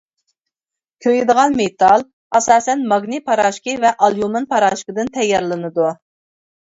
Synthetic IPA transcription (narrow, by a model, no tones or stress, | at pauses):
kʲʰøjid̪əʁɑnmet̪ʰɑlˠ | ɑsɑːsɛnmɑɡnɨpʰɑɾɑːʃkəvɛʔɑlˠjumɨnpʰɑɾɑːʃkəd̪ɨnt̪ʰɛjːɑɾlˠɨnɨd̪u